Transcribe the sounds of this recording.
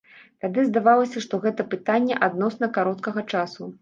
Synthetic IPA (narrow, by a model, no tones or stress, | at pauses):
t̪ad̪ɨzd̪avalˠɐsʲɐʂt̪ɔɣɛt̪ɐpɨt̪anʲːɛʔad̪nɔsn̪ɐkaɾɔt̪kɐɣɐt͡ʂasu